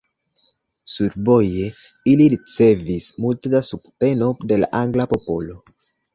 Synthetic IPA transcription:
suɾbo̞je̞ | iliɾit͡se̞vismultedasubte̞no̞de̞la̰ʔaŋɡlapo̞po̞lo̞

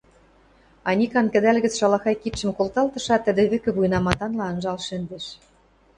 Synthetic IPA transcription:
ɑnʲikɑnkɘ̆d̪ælɣɘ̆t͡sʃɑlɑxɑjkit̪ʃə̆mkolt̪ɑlt̪ɤ̆ʃɑt̪ːə̆d̪ĕβɘ̆kɘ̆βujnɑmɑt̪ɑnlɑɤ̆nʒɑlʃɘ̆nd̪ĕʃ

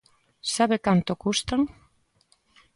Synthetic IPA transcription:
saβekant̪okust̪aŋ

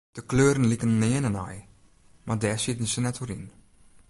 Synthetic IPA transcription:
d̥əkløːɾənlikənnɪənənɛj | mardɛːsitənsənɛtʰoɾin

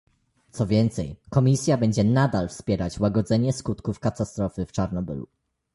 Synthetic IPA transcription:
t̪sɔvʲjɛnt̪sɛjkɔmʲisʲjabɛɲd͡ʑɛnad̪alfspʲjɛɾat͡ɕwaɡɔd̪zɛɲɛskut̪kufkat̪ast̪ɾɔfɘft͡ʂaɾnɔbɘ̰lṵ

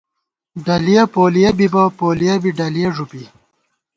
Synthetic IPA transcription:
ɖɐlijapoːlijɐbibɐpoːlijabiɖɐlijeʐupi

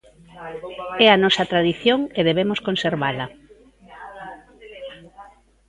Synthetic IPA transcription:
ɛɐnɔsɐt̪ɾaðiθjoŋeðeβ̞emoskonseɾβalɐ

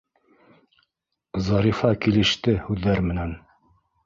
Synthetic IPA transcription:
zɑɾifɑkilɘ̆ʃt̪ɘhʉðːæɾmɘ̆næn

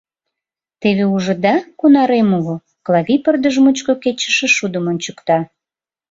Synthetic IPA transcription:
t̪eβeuʒə̆d̪ɑkunɑɾemuɣo | klˠɑɣipərd̪əʒmut͡ɕkoket͡ɕə̥ʃĕʃud̪əmənt͡ɕukt̪ɑ

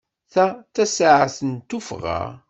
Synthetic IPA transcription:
θæt͡sːæsaʕaθənt̪ufʁa̰

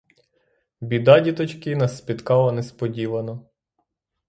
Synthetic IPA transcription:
bʲid̪ɑdʲit̪ɔt͡ʃkɪnɐspʲit̪kɑlˠɐnɛspɔdʲiʋɐnɔ

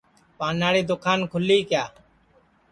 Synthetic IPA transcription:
paːnːaːɽiːd̪okʰaːnkʰʊlːiːkjaː

